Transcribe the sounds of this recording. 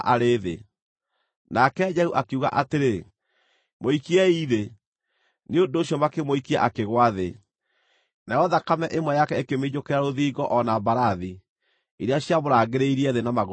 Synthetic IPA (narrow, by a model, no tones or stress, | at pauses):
ʔaɾeðḛ | nakɛd͡ʒɛhuʔakeuɣa̰ʔateɾe | moikiɛiðe | neondoːɕjɔmakemoikia̰ʔakeɣwaðe | najɔðakamɛʔemwɛjakɛekemed͡ʑokeɾaɾoðiːɡɔʔɔnambaɾaði | iɾeaɕiaβoɾaɣeɾeiɾiɛðenamaɣ